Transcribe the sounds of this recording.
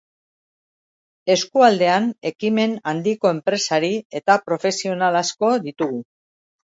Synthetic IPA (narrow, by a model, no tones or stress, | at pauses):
e̞skuald̪e̞ane̞kime̞nand̪iko̞e̞mpɾe̞saɾie̞t̪apɾo̞fe̞sio̞nalasko̞ðit̪uɣu